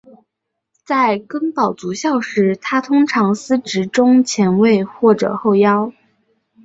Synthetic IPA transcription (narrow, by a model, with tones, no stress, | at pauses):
t͡sa˥˩ɪkɤ˥ŋpɑ˨˩ʊt͡su˧˥ɕjɑ˥˩ʊʂɻ̩˧˥t̪ʰa˥t̪ʰʊ˥ŋʈ͡ʂʰɑ˧˥ŋsɹ̩˥ʈ͡ʂɻ̩˧˥ʈ͡ʂʊ˥ŋt͡ɕʰjɛ˧˥nwe˥˧ɪxwɔ˥˩ʈ͡ʂɤ̰˨˩xo˥˩ʊjɑ˥ʊ